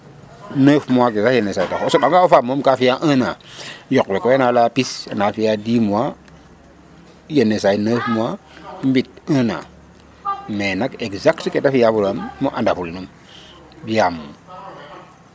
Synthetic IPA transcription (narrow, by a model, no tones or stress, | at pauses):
nəfmuakezaenːesaitokosoɓaŋɡaofamomkafijaʔə̃najokwekoanalapisanafijadimua | jenːesainəfmuwa | mbit̚ə̃na̰ | menakeɡzaktketafijabuɾamːuʔandafulnum | biamu